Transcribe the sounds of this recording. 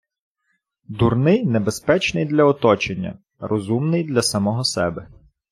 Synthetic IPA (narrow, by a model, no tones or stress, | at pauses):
d̪urnɪjnebespɛt͡ʃnɪjd̪lʲɐɔt̪ɔt͡ʃenʲːɐ̰ | rʔɔzumnɪjd̪lʲɐsɐmɔɦɔsɛbɛ